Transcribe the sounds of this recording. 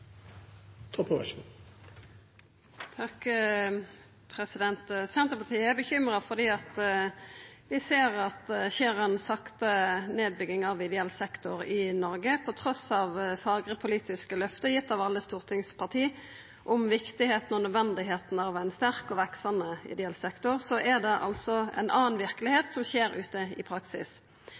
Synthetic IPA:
t̪ʰɔpəʋɛ̰ʃ | t̪ʰɑk | pʰɾɛsɪd̪ɛnt̪sɛnt̪əʁpɑʁt̪iːəæbəçʏmʁɑfɔʁd̪iːɑt̪ | ʋɪseːʁɑt̪çeːʁɛnsɑkt̪əneːd̪̚bʏɡɪŋɑʋɪd̪ɛɛlsɛkt̪ʊʁɪnɔʁɡəpʰɔt̪ʰɾɔsɑʋfɑːɡʁəpʰʊliːt̪ɪskəlœft̪əjɪt̪ːɑʋɑlːəst̪uːʁt̪ʰɪŋspʰɑʁt̪ʰiː | ʔɔmʋɪkt̪ɪheːt̪n̩ɔnœd̪ʋɛnd̪ɪɦeːt̪n̩ɑʋæɪnst̪æʁkɔʋɛksɑnəɪ̰d̪ɛɛlsɛkt̪ʊʁsɔʔɛd̪ɛʔɑ̰lsɔɛ̰nʔɑːnʋɪʁkəlɪheːt̪sɔmçeːɾʉːt̪əɪ̰pʰɾɑksɪ̰s

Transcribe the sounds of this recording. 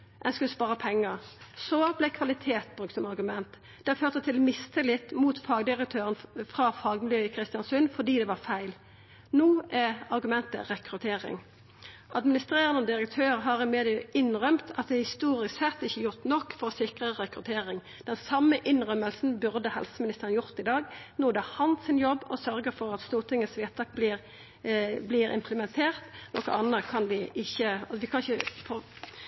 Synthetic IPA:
ʔɛnskd̪spɑːʁəpʰɛŋːəʁsɔblæɪkʰʋɑlɪt̪ʰeːt̪̚bʁʉk̚t̪sɔmɑʁɡʉmɛnt̪ | d̪̥ɛføːʁt̪ət̪ʰɪlmɪst̪ʰəlɪt̪ːmuːt̪fɑːɡd̪ɪʁək̚t̪ʰøːʁənfɾɑfɑːɡmɪljøːəkʰʁɪst̪ɪjɑnsʉnfɔd̪iːd̪ɛʋɑʁfæɪl | noːæʁɑɾɡʉmɛnt̪ə̰ʁɛkʁʉt̪ʰeːʁɪ̰ŋ | ʔɑd̪mɪnɪst̪ʁeːʁənɔd̪ɪɾək̚t̪ʰøːʁɦɑʁɪmeːd̪ɪəɪnʁœmt̪ʰɑt̪̚d̪ɛhɪst̪uːʁɪssɛt̪ːɪçːəjʊʁt̪nɔkːfɔʁsɪkʁəʁɛkɾʉt̪ʰeːʁɪŋ | d̪̥ɛnsɑmːəʔɪnʁœməlsn̩bʉʁd̪əhɛ̰lsəmɪnɪst̪əʁənjʊʁt̪ɪd̪ɑːɡnoːd̪ɛhɑnsɪnjɔbːɔsœɾɡəɾfɔʁɑt̪st̪uːʁt̪ʰɪŋːəsʋeːt̪t̪ʰɑk̚blɪʁ | blɪːɾɪ̰mpʰləmɛnt̪ʰeːʁt̪nɔkːə̰ʔɑnəkʰɑnd̪ɪʔɪçːəɑʋɪkʰɑnɪçəfɔ

